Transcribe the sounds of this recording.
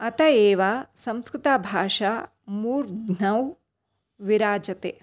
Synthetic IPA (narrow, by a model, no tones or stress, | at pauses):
ɐt̪ɐeːʋaːsɐ̃mskɾɪt̪aːbʱaːʃa | muːɾɡnɐw | ʋiɾaːd͡ʒɐt̪eː